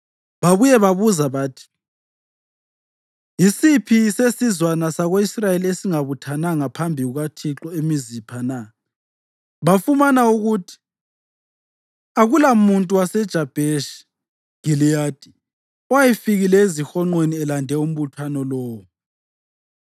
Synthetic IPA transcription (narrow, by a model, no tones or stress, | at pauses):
βaβujɛβaβuzaβaːtʰi̥ | isipʰisesizwanasaɣoisrajeliesiŋaβutʰanaŋapʰambʱiɣuɣatʰiǁɔemizipʰana | βafumanauɣutʰi̥ | aɣulamuntʼuwasɛd̥ʒ̥ʱab̥ʱeʃ | ɡ̥ilijaːd̥ʱʼi̥ | ɔwajifiɣilɛezixɔŋ͡ǃweniɛlandʱɛum̩βutʰwanɔlɔːwɔ